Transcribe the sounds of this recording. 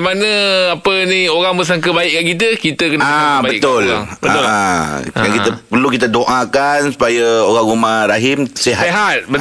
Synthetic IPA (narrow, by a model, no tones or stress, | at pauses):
manə̃apənioɾaŋbəs̬aŋkəbaiʔkaʔkit̪̬əkit̪əkənababəḭk̪ʊlbəaʊkəakit̪əpərlukit̪adoʔakansu̥pajaoɾaŋumãɾaɦimseɦaɦat̪̚bə